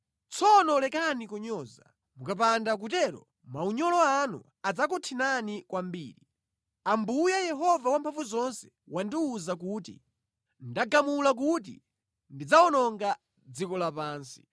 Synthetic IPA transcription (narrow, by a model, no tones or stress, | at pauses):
t͡sʰɔnɔlɛkanikɔɲɔza̰ | mukap̬andak̬ut̬ɛɾɔ̰ | mauɲɔlɔanṵ | ad͡zakɔtʰinanikwambiːɾi | ambujajɛɦɔvawampʰaɱvuzɔnsɛ̥ | wandiuzak̬uːtḭ | ndaɡamulak̬ut̬ḭ | ndid͡zaɔnɔŋɡa | d͡zikɔlapaːnsi̥